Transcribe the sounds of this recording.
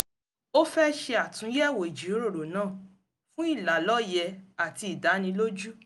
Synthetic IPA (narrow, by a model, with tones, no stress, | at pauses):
o˦fɛ˦ʃe˧a˨tũ˨˦jɛ˦˨wo˨i˨d͡ʒi˨o˦ɾo˦˨ɾo˨nãː˦˨ | fũ˦i˦˨la˨lɔ˦jɛ˧a˨ti˧i˨da˨˦nĩ˧lo˦d͡ʒu˦